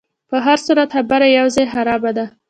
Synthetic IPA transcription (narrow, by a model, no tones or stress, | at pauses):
pəɦaɾsuɾat̪habaɾajawzɑjxaɾɑbad̪a